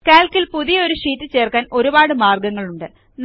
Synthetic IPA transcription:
kaːlkilpuðijɐo̞ɾuʂiːtːɨt͡ɕe̞ːrkaːno̞ɾubaːɽɨmaːrɡɐŋːɐɭuɳɖɨ | n

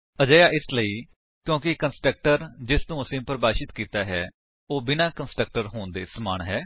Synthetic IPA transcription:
əd͡ʒəːjaːʔɪsləiː | kjõːkɪkənsʈɾək̚ʈəɾd͡ʒɪst̪ũːəsĩːpəɾbaːʃɪt̪kiːt̪aːɦɛː | oːbɪnãːkənsʈɾək̚ʈəɾɦoːnd̪eːsəmaːɳɦɛː

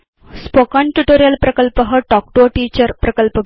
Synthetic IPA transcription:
spokaɳʈuʈoɾijəlpɾəkəlpəɦəʈɔk̚ʈoʈiːt͡ɕəɾpɾəkəlpə

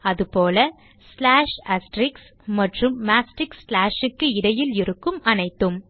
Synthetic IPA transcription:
ɐðɯpoːlɐ | slaːʂɐsʈɾɪks | mɐʈrɯmːaːsʈɪkslaːʂɪkːɯɪɽɐjɪlɪɾɯkːɯmɐnɐɪt̪ːɯm

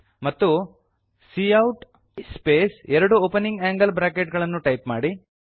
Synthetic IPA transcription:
mɐt̪ːu | siːɐwʈ | speːsɛɾɐɽuoːpɐniŋɡaːŋɡɐlbɾaːkeʈɡɐɭɐnːuʈɐjpmaːɽi

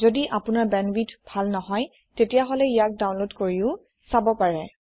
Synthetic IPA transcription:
zodiʔapʊnaɹbɛnbitbʱalnɔɦɔj | tetijaɦɔlɛijak̚daw̃nlotkoɹiʊ̃ | sabɔpaɹɛ

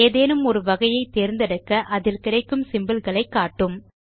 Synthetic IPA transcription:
eːðeːnɯmɔɾɯʋɐɣɐjɐɪt̪ːeːɾnd̪ɐɽɐkːɐʔɐðɪlkɪrɐɪkːɯmsɪmbɐlɣɐɭɐɪkːaːʈːɯm

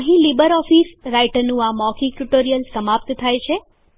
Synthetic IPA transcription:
ə̃ɦĩlibəɾɔfisɾajʈəɾnũamɔkiʈuʈoɾijəlsəmap̚t̪t̪ʰajt͡ʃʰe

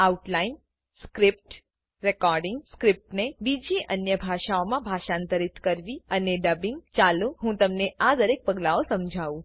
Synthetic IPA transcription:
auʈlain | skɾɪp̚ʈ | ɾekɔɾɖɪ̃ŋɡskɾɪp̚ʈnebid͡ʒiʔənjəbʱaʃaomãbʱaʃãnt̪əɾit̪kəɾʋiəneɖəbɪ̃ŋɡt͡ʃalũɦũt̪əmnead̪əɾek̚pəɡlaosəmd͡ʒʱaʋũ

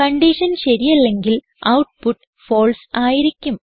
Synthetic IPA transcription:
kɐɳɖiːʂɐnɕeɾijɐlːe̞ŋɡil | ɐ̰wʈ̚puʈː | fo̞ːlsaːjiɾikʲːum

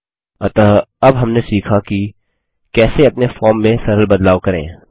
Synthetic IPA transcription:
ɐt̪ːɐbɦɐmnesiːkʰaki | kɛːseɐpnefɔːɾmːẽsɐɾəlbɐd̪laːʋkɐɾḛ̃ː

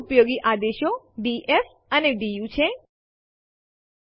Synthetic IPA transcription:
pjoɡiʔad̪eʃjo | ɖiʔef | əneɖijut͡ʃʰe

